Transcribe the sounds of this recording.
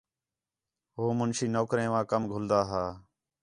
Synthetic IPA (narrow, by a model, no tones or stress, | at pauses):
ɦoːmʊnʃiːnoːkɾẽːʋãːkəmɡʱʊld̪aːɦaː